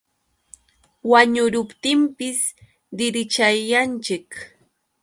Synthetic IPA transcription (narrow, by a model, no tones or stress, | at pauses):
waɲʊɾʊpt̪ɪmpɪs | d̪ɪɾɪt͡ʃajːant͡ʃɪk